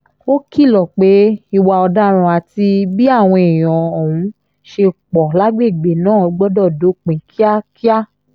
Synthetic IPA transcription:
o˦ki˦˨lɔ˨k͡pe˨˦i˧wa˧ɔ˧da˦ɾ̃ã˧a˨ti˧bi˦a˦˨w̃ɔ̃˧e˨j̃ɔ̃˨ɔ˨wũ˨˧˦ | ʃe˧k͡pɔ˨la˦ɡ͡be˦˨ɡ͡be˨nãː˦˨ɔ˧ɡ͡bɔ˦dɔ˦˨do˨˦k͡pẽ˨kʰi˦a˦ki˦a˦

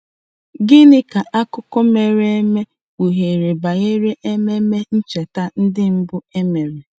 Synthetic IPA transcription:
ɡɪ˦nɪ˦ka˨ʔa˦kʊ˦kʊ˦me˨ɾe˦e˦me˦ | k͡pu˨ɦe˨ɾe˨ba˨ɣe˦ɾe˦ʔe˦me˦me˦n̩˦t͡ʃe˨ta˦n̩˦dɪ˦m̩˦bʊ˦e˦me˨ɾe˨

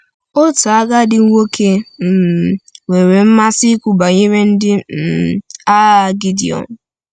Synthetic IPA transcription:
o˦ta˨a˦ɡa˦dɪ˨˦ŋʷo˦kʰe˦m̩˨ŋʷe˨ɾe˨m̩˦ma˦si˦kʷu˦ba˨ɲi˦ɾe˦n̩˦dɪ˦m̩˨a˦˨ɡi˦dḭ˨ɔ̰˨n˨

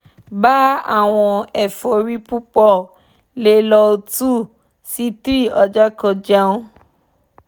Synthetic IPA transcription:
ba˦a̰˦˨w̃ɔ̃˧ɛ˨fɔ˨ɾi˦pu˦k͡pɔ˦˨ | le˨˦lɔ˧o˧tu˦˨ | si˦tɾi˦˨ɔ˧d͡ʒa˦kɔ̃˧d͡ʒa˦˧˦õ˦

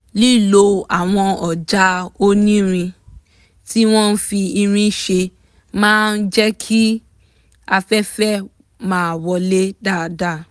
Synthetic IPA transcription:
li˦˨lo˨˧a˨w̃ɔ̃˧ɔ˨d͡ʒa˦o˦nĩ˦ɾ̃ĩ˧ | ti˦w̃ɔ̃˦n̩˦fi˧i˧ɾ̃ĩ˦ʃe˧ | mãː˦n̩˦d͡ʒɛ˦kʰi˦ | a˧fɛ˦fɛ˦˨ | mãː˨wɔ˧le˦da˦˨da˦˨

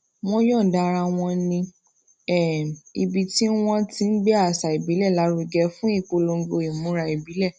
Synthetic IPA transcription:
w̃ɔ̃˧˦jɔ̃˦˨da˧ɾa˧w̃ɔ̃˧nĩ˧ | ɛ˦˨i˧bi˧ti˦w̃ɔ̃˦tĩ˧˦n̩˦ɡ͡bɛ˦a˦˨sa˨i˨bi˨˦lɛ˦˨la˨˦ɾu˧ɡɛ˧fũ˦i˦˨k͡po˧lo˧˦ɡo˧˨i˨mũ˨˦ɾa˧i˨bi˨˦lɛ˦˨

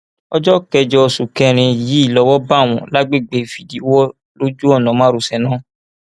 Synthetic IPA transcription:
ɔ˦d͡ʒɔ˦kɛ˧d͡ʒɔ˧˨su˨kɛ˧˦ɾ̃ĩ˧ji˨˦i˦˨lɔ˧˦wɔ˦ba˦˨w̃ɔ̃˨la˦ɡ͡be˦˨ɡ͡be˨fi˨di˨˦wɔ˦ | lo˦d͡ʒu˦ɔ˦˨nɔ̃˨˦mã˦ɾu˨sɛ˨nã˦

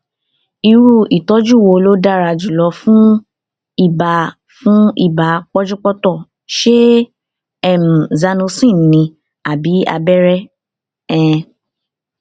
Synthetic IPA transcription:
i˧ɾu˦˨i˨tɔ˦d͡ʒu˦˨wo˧lo˦da˦˨ɾa˧d͡ʒu˨lɔ˧fũ˦ | i˦˨ba˨ | fũ˦ḭ˦˨ba˨˦k͡pɔ˦d͡ʒu˦k͡pɔ˦tɔ˦˨ | ʃe˦ | ɛ˦˨m̩̃˨za˧nũ˧sĩ˦˨nĩ˧ | a˨bi˨˦a̰˧bɛ˦ɾɛ˦ | ɛ̃˦˨

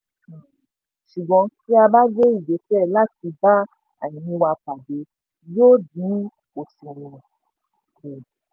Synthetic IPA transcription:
ʃu˨ɡ͡bɔ̃˧ki˦a˧ba˦ɡe˦i˦˨d͡ʒe˨˦fɛ˦˨la˦ti˧ba˦ | a̰˨ɲĩ˨˦ĩ˧˦wa˧k͡pa˨de˨˦ | jo˦dĩ˨˦ | o˨sĩ˨ɾũ˨

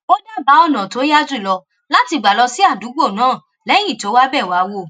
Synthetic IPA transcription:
o˦na˦˨ba˨˦ɔ˦˨nã˨to˨˦ja˦d͡ʒi˦˨lɔ˧ | la˦ti˧˨ɡ͡ba˨lɔ˧si˦a˦˨du˨˦ɡ͡bo˦˨nãː˦˨ | lɛ˨˦j̃ĩ˦˨to˨˦wa˦bɛ˦˨wa˨˦wo˦˨

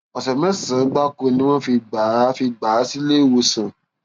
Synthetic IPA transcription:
ɔ˨sɛ˨mɛ̃˦sã˨˦ɡ͡ba˦ko˧nĩ˦w̃ɔ̃˦fi˧ɡ͡ba˨˦fi˧ɡ͡baː˨˦si˦le˦˨wo˧sã˨

